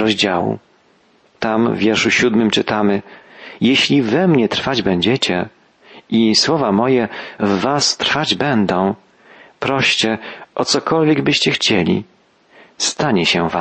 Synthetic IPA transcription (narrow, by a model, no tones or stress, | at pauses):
ɾɔʑd͡ʑawṵ | t̪amvʲjɛɾʂuɕud̪mɘmt͡ʂɘt̪amɘjɛɕlʲivɛmɲɛt̪ɾfad͡ʑbɛɲd͡ʑɛt͡ɕɛ | iswɔvamɔjɛvːast̪ɾfad͡ʑbɛnd̪ɔ̃w̃ | pɾɔɕt͡ɕɛʔɔt̪sɔkɔlvʲjɛɡbɘɕt͡ɕɛxt͡ɕɛlʲḭ | st̪aɲɛɕɛva